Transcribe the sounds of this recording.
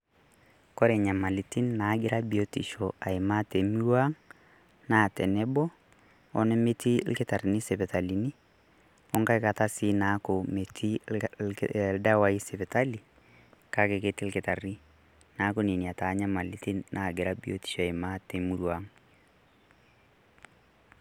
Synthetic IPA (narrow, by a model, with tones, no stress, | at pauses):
kɔ˦ɾɛ˨ɲa˨ma˨li˨ti˦nːa˨˦ɡɪ˦ɾa˦bi˨o˦ti˨ʃɔ˨a˨ɪ˨ma˦te˨mu˦ɾwa˦ŋ | na˦˨tɛ˨nɛ˦bɔ˦ | ɔ˨nɛ˦me˦tḭ˦lkɪ˦ta˨ri˨ni˦sɛ˨pɛ˨ta˨li˨ni˦ | ɔ˦ŋka˦jka˨ta˦si˦na˦ko˨me˨tʰi˦ | lda˦wa˦i˦sɛ˨pɛ˨ta˦li˨ | ka˦ke˨ke˦ti˦lkɪ˨ta˨ri˦ | na˦ko˦ni˨ni˨a˨ta˨˦ɲa˦ma˨li˦ti˦nːa˨ɡɪ˨ɾa˦bio̰˦ti̥˨ʃɔ˨a˨jma˦te˨mu˦ɾwa˦ŋ